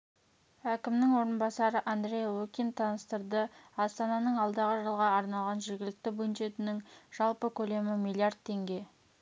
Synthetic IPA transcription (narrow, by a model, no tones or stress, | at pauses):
ækʲɪmnɪŋwo̞ɾənbɑsɑɾəʔand̪ɾʲe̞jwukʲint̪ʰɑnəst̪əɾd̪əɑst̪ɑnɑnəɴɑlˠd̪ɑʁəʒəlˠʁɑːɾnɑlˠʁɑnʒe̞ɾɡʲɪlɪk̚t̪ɪbʊnʒe̞t̪ɪnɪŋʒ̥ɑlˠpəkʲʰɵle̞mɪmilʲˠiard̪̚t̪ʰːe̞ŋɡʲe̞